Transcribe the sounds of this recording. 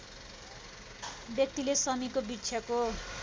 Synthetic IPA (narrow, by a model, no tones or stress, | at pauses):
bjʌk̚t̪ilesʌmikobit͡sʰʌko